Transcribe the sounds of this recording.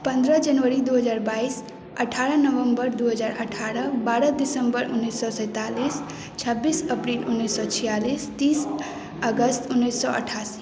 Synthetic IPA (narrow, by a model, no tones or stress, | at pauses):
pə̃nd̪ɾəd͡ʒənʋəɾid̪uɦəd͡ʒaɾbais | əʈʰaɾənəʋəmbəɾd̪uɦəd͡ʒaɾə̰ʈʰaɾəbaɾəd̪isəmbəɾunːisːɔsə̃ɪt̪alis | t͡ʃʰəbːisəpɾilunːisːɔt͡ʃʰijalist̪is | əɡəst̪unːesːɔə̰ʈʰasi